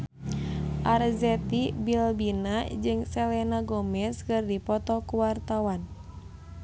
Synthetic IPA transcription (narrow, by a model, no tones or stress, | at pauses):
ʔarzɛt̪ibilbinad͡ʒɨŋsɛlɛnaɡɔmɛskɨrdipɔt̪ɔkuwart̪awan